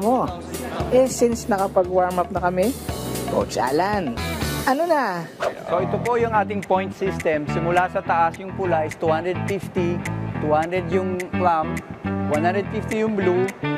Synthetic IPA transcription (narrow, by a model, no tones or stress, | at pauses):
mo̞ | ʔɛsinsnɐkɐpɐɡwaɹmap̚nɐkɐmɛko̰wt͡ʃa̰ːlanʔɐno̞nɐsoʔɪt̪opo̞jʊŋʔaːt̪ɪŋpo̞jnt̪sist̪ɛmsɪmʊlasɐt̪ɐʔasjʊŋpʊlaʔɪst̪uːhand̪ɛd̪̚fift̪it̪uhand̪ɾɛd̪jʊŋplamwanhand̪ɾɛd̪fift̪ijʊŋblu